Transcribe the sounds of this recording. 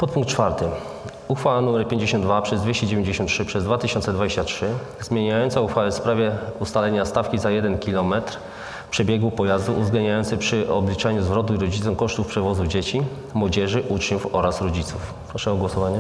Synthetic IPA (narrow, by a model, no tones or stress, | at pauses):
pɔt̪̚puŋkt̪̚t͡ʂfaɾt̪ɘ | uxfawanumɛɾpʲjeɲd͡ʑeɕɔnd̪d̪vapʂɛzd̪vʲjeɕt͡ɕɛd͡ʑevʲẽɲd͡ʑeɕ̬ɔnt̪tːʂɘpʂɛzd̪vat̪ɘɕɔnt̪sɛd̪vad͡ʑeɕt͡ɕatʂɘ | zmʲjeɲajɔnt̪sauxfawɛfspɾavʲjɛust̪alɛɲast̪afkʲizajɛd̪ɛnkʲilɔmɛt̪ɾ | pʂɛbʲjɛɡwupɔjazd̪uʔuvzɡlɛnd̪ɲajɔnt̪sɛpʂɘɔ̰blʲit͡ʂaɲuzvɾɔt̪̬uiɾɔd͡ʑit̪ɔ̃w̃kɔʂt̪ufpʂɛvɔzuvd͡ʑet͡ɕi | mwɔd͡ʑɛʐɘʔut͡ʂɲufɔɾasɾɔd͡ʑit̪suf | pɾɔʂɛɔɡwɔsɔvaɲɛ